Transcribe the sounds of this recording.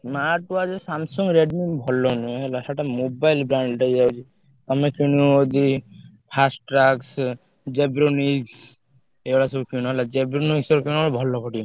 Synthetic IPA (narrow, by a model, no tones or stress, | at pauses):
smaʈad͡ʒsamsuŋɡɾeɖnimbʱɔlːɔnueɦɛlasaʈamobajlbɾaɳɖʈajd͡ʒawt͡ʃʰi | ɔmekiñuod̪i | pʰasʈɾaks | d͡ʒebɾoniks | eɔɽasɔbukiñɦɛlad͡ʒebɾoniksɔɾkinɔbʱɔlːɔpʰɔʈi